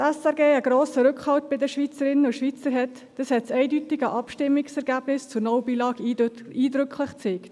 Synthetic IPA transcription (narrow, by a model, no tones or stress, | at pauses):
ɛsɛɾɡeːəɡɾoːsəɾʏkχhɑwtb̥ɪdəʃʋit͡səɾɪnəʊʃʋit͡səɾɦɛt | d̥ɑshɛtsɛɪdytɪɡəʔɑpʃtɪmːɪksɛɾɡæːb̥nɪst͡sʊɾnɔwbiːlɑːɡiiːdɾʏkʰlɪχt͡seːkt